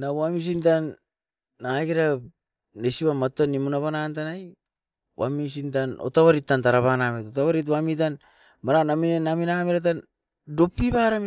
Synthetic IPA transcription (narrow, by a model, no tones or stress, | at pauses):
nawamis̬intanː | aɡiɾa | nesiβamatonimunaβanantanaj | wa̰mis̬intano̰taβaɾitːantaɾaβanametotaβaɾit̬wamit̬an | maɾanaminenaminamiɾat̬an | do̞pːiβaɾam